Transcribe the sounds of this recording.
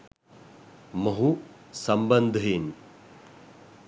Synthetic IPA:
mɐɦusɐmbɐnd̪ʱɦin

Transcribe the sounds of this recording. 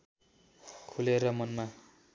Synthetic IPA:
kʰuleɾʌmʌnma

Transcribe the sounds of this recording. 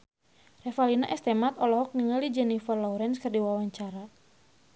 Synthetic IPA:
rɛfalinaʔɛst̪ɛmat̪ɔlɔɦɔk̚niŋalid͡ʒɛnifərlɔwɾɛnskɨrdiwawaɲt͡ʃaɾa

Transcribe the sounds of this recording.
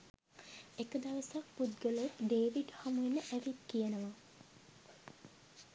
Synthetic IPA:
ekəd̪aʋəsak̚pud̪ɡəlot̪ɖeːʋiɖhamuenəʔæʋit̪kijənəʋa

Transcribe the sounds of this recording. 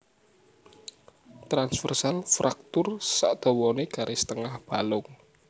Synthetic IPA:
t̪ɾansfərsalfɾak̚t̪ʊrsa̰ʔd̪̥o̤wɔneɡ̥a̤ɾʔesə̥t̪əŋahb̥a̤lʊŋ

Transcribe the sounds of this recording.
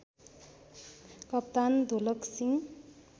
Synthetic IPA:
kʌp̚t̪and̪ʱolʌksiŋ

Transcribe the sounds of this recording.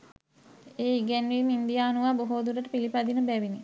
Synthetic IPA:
eːiɡɛnʋimind̪ijaːnuʋaːboɦoːd̪uɾəʈəpilipad̪inəbæʋini

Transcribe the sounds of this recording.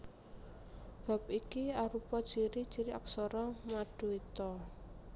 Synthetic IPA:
b̥a̤p̚ikiaɾupɔ̥t͡ʃiɾi̥t͡ʃiɾia̰ksɔɾɔmaɖ̥o̤it̪ɔ

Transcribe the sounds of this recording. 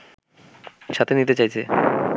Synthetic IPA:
ʃat̪ʰenit̪et͡ɕajt͡ɕʰe

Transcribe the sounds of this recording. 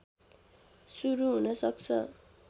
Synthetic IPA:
suɾuɦunʌsʌkt͡sʰʌ

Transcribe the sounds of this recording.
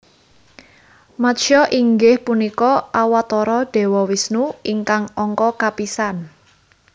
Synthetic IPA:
maʃɔʔiŋɡɪhpunikɔʔawat̪ɔɾɔɖ̥e̤wɔwisnuiŋkaŋɔŋkɔkapisan

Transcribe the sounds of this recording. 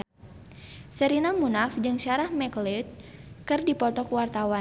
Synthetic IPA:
səɾinamunafd͡ʒɨŋʃaɾahmɛklit̪̚kɨrdipɔt̪ɔkwart̪awa

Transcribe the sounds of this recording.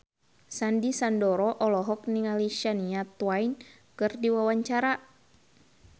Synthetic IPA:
sandisandɔɾɔʔɔlɔɦɔk̚niŋaliʃaniat̪wain | kɨrdiwawaɲt͡ʃaɾa

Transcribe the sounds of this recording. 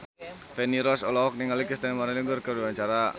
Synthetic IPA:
fɛniɾɔsɔlɔɔk̚niŋɡalikəst̪anmaɾaliŋɡʊrkəɾiwaɲt͡ʃaɾa

